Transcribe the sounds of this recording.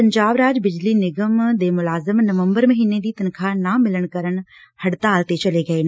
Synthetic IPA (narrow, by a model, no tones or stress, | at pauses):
pɐɲd͡ʒaːbɾaːd͡ʒbɪd͡ʒlinɪɡəmd̪eːmʊlaːzəmnɐʋə̃mbəɾmɐɦiːned̪iːt̪ɐnkʰanamɪləɽ̃kɐɾəɽ̃hɐɽt̪aːlt̪et͡ʃɐleɡɐeːn